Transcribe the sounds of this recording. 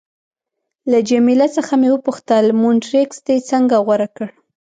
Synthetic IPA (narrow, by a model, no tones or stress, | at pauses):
lad͡ʒamilast͡səxamewəpuxt̪əlmuɳʈɾeksd̪et͡səŋɡaɣwaɾakəɽ